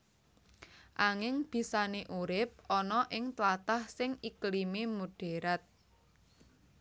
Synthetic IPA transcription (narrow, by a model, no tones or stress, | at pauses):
ʔaŋɪŋb̥i̤saneʔuɾɪp̚ɔnɔʔɪŋt̪lat̪ahsɪŋiklimemuɖ̥e̤ɾat̪̚